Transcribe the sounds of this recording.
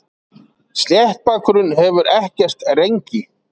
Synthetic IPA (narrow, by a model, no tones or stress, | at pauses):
st̪jɛht̪̚paːkʰɾʏnhɛvʏɾʔɛhcɛr̥t̪rejɲcɪ